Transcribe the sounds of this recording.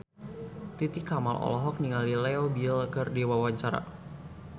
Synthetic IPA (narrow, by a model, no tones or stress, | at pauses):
t̪it̪ikama̰lʔɔ̰lɔɦɔk̚niŋalilɛɔbilkərdiwawaɲt͡ʃaɾa̰